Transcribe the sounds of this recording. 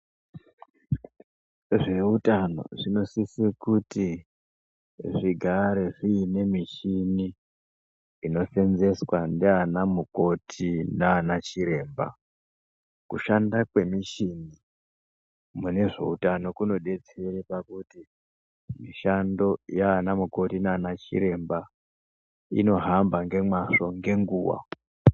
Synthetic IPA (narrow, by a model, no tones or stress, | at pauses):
ʐe̞utano̞̰ʐino̞sisikuti | ʐiɡʱaɾe̞ʐiːne̞miʃini | no̞fe̞nze̞swandeanamuko̞tʰinaːnat͡ʃiɾe̞ːmba̰ | kuʃandakwe̞miʃini | mune̞ʐe̞̰utano̞kuno̞ɗe̞t͡se̞ɾepakuti | miʃando̞jaːnamuko̞tinaːnat͡ʃḭɾe̞mba | ḭno̞ɦambaŋɡe̞maʂo̞ŋɡe̞ŋɡuːwa̰